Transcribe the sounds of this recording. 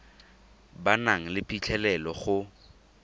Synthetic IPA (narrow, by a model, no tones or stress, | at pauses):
banaŋ̩lɪpit͡ɬʰɛlɛlɔχʊ